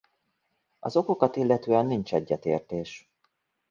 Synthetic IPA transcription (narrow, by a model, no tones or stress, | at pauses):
ɒ̰zo̞ko̞kɒt̪ilːɛt̪øːɛnːint͡ʃɛɟːɛt̪eːrt̪eːʃ